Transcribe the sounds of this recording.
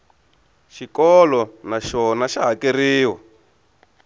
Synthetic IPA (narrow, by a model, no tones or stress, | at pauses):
ʃikɔlɔnaʃɔnaʃaɦakeriːwa